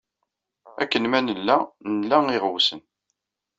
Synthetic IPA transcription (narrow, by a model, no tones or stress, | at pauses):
ækːənmænəlːænəlːæiʁwsən